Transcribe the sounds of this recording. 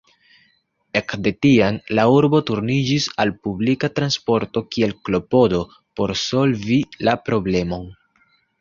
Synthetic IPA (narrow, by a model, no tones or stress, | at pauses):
e̞kde̞tianlauɾbo̞tuɾnid͡ʒisalpublikatɾanspo̞ɾto̞kie̞lklo̞po̞do̞ | po̞ɾso̞lvilapɾo̞ble̞mo̞n